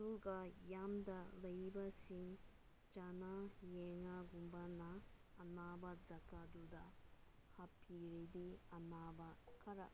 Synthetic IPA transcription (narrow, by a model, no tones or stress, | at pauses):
suɡɐjamdɐlɐjbɐsiŋ | d͡ʒanajɛŋaɡumbɐnɐː | nabɐzɐkadudɐ | hapʰiɾidiɐnabɐkʰɐɾɐ̰